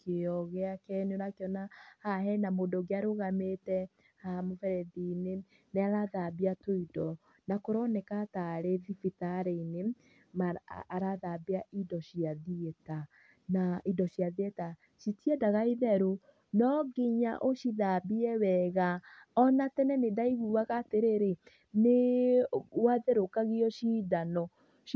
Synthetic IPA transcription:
keɔɣɛakɛneoɾakeɔnahaɦɛnamoːdoɡeaɾoɣametɛ | hamofɛɾɛðine | neaɾaðabiatoidɔ | nakoɾɔnɛkataɾeðifitaɾeine | maːɾaðabiaʔidɔʃiaðiɛta | naidɔɕjaðiɛta | ʃitiɛdaɣaiðɛɾo | nɔɡiɲa̰ʔoʃiðabiɛwɛɣaɔnatɛnɛnedaiɣuwaɣateɾeɾe | ne | waðeɾokaɣiɔʃiːðanɔ

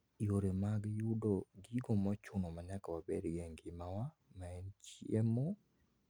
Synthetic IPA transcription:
ioɾemaɡjudoɡiɡomɔt͡ʃʊnomaɲakawabɛɾɡɛŋɡɪmawa | maɛnt͡ʃiemo

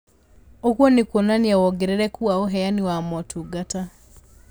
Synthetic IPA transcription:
okwɔnikwonaniawɔɡɛɾɛɾɛkuaoɦɛjaniwamɔtʰuɡata

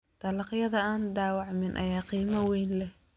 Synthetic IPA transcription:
t̪ʰɐlɑqjɐðɐaːnɖ̪aːwɑʕmɪnʔɐ̰jaːqiːmɐwɛjnlɛ

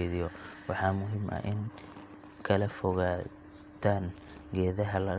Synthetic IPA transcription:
ðɪjɔwɑħɑːmʊɦɪmʔɐ̰ʔɪŋ | kʰɐlɐfɔɣaː | t̪ʰaːŋ | ɡɛːðɐɦɐlɐ

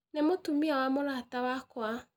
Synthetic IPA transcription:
nɛmʊtumiawamʊlatawakʊa

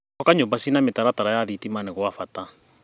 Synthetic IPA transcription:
ɔkaɲoːmbasinametaɾataɾajaðitimanɛɣwafata

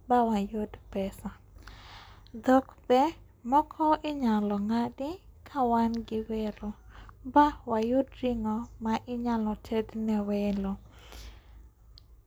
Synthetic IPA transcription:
bawajʊdpɛsa | d̪ɔkbɛ | mɔkʰɔʔɪɲalɔŋadɪkʰawanɡɪwelobawajʊdriŋɔmaʔɪɲalɔtʰed̪nɛwelo

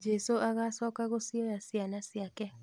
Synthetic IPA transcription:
d͡ʒesoʔaɣasɔkaɣosiojasjanasjakɛ

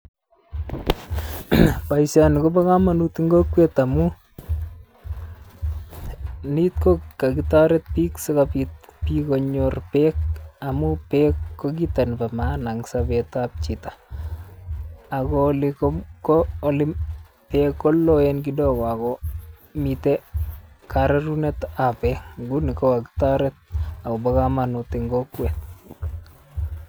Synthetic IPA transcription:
paisanikobakamanut̪iŋɡokwet̪amu | nit̪̚kokakitaɾet̪̚piːksɪkapit̚pikoɲorpekamupekːok̬itanpamanaŋsabet̪ap̚t͡ʃitḁ | akɔlɪkɔmkɔːlɪm | pɛkɔlːɔɛnk̬ɪdɔkakɔmit̪ɛ | kaɾaɾunɛt̪apɛkɡunɪkɔkaɡɪ̥taɾɛt̪̚akɔbakamanut̪ɪŋɡɔkwɛt̪̚

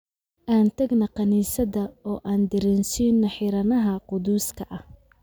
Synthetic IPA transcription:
ʔaːnt̪ʰɐɡnɐqɑniːsɐðɐɔːʔaːnd̪ɪɾɪnsiːnːɐħɪɾɐnɐɦɐqʊd̪uːskʰɐʔɐh

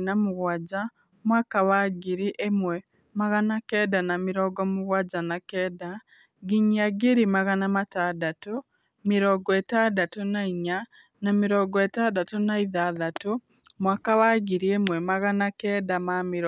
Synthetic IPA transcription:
namʊɣwad͡ʒa | mwakawaɣiɾiʔemwɛ | maɣanakɛːdanamiɾɔɡɔmuɣwad͡ʒanakɛːda | ɡiɲiaɡeɾimaɣanamatadato | miɾɔɡɔetadatonaiɲa | namiɾɔɡɔetadatonaiðaðato | mwakawaɣiɾiemwɛmaɣanakɛːdamamiɾɔ

